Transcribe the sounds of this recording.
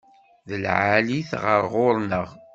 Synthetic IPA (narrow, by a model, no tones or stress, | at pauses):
ðəlʕaliθʁəɾʁoɾˤnəʁ